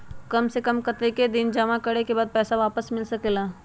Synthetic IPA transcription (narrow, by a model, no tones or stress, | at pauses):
kɐmsekɐmkɐt̪eked̪ɪnd͡ʒɐmakɐɽekebaːd̪̚pɛːsaʋaːpəsmɪlsɐkelaː